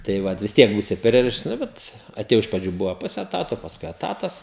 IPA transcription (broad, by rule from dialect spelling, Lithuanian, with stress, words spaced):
tɐɪ ˈʋɐt ʋʲɪs ˈtʲiɛk ˈbuːsʲɪ ˈpʲrʲɪrʲɪʃts ˈnʊ bʲɛt ɐtʲeːˈjɛʊ ɪʃ prɐˈd͡ʒʲuː ˈbʊʋoː ˈpʊsʲɛ ɛˈtɑːtoː pɐsˈkʊɪ ɛˈtɑːtɐs